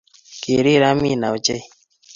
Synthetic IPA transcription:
ke˨ɾi˦ɾa˦mi˦˨na˨wt͡ʃe˦˨

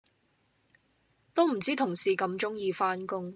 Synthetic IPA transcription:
t̪o˥wm̩˨˩t͡siː˥t̪ʰʊ˨˩ŋsiː˨kɐ˧mt͡ʃʊ˥ŋjiː˧faː˥nkʊ˥ŋ

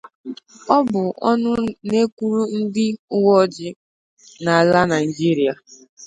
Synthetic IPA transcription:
ɔ˦bʊ˨ʔɔ˦nʊ˦ne˦kʷu˦ɾu˦n̩˦dɪ˦ʊ˦wɔ˦d͡ʒɪ˦ | na˨a˨la˦na˨i˨d͡ʒi˦ɾi˦a˨

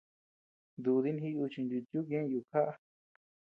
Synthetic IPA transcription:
nd̪u˧ði˦nɦi˦u˧t͡ʃi˧nd̪u˧t̪ju˦k̬ẽ˦˧ju˧˨kʰa˦ʔa˧

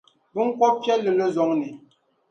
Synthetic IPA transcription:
bə˦ŋ̩˦kwɔ˦pjɛ˦lə˨lə˦zɔ˨˦ŋni˨

